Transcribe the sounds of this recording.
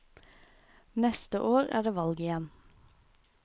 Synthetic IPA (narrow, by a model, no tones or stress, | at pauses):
nɛst̪əʔoːʁæ̰ːɖeːʋɑlɡəɪjɛn